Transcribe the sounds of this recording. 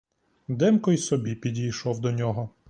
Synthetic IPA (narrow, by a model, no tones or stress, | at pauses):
d̪ɛmkɔjsɔbʲipʲidʲijʃɔwd̪ɔnʲɔɦɔ